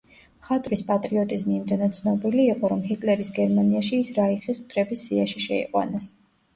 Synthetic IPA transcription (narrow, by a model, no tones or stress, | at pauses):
χat̪ʼɾispʼat̪ʼɾiɔt̪ʼizmiːmd̪ɛnad̪̚t̪sʰnɔbiliːqʼɔɾɔmɦit̪ʼlɛɾisɡɛɾmaniaʃiːsɾaiχispt̪ʼɾɛbisːiaʃiʃɛ̰ḭqʼwa̰nas